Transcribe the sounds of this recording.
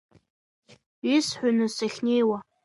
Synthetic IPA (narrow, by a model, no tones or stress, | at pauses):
isħʷᶣʊnɨsaχʲnʲejwa